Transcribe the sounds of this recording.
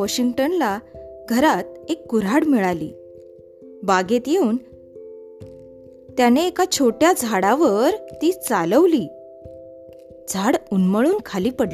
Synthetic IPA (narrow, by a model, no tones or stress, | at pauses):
ɔɕiŋɡʈənlaɡʱəɾat̪̚ekːuɾaɽmiɭalḭː | baɡet̪jeuːn | t̪janeːkat͡ɕʰoʈjad͡zʱaɽaʋəɾt̪iːt͡saləʋliː | d͡zʱaɽunməɭuːnkʰaliːpəɽli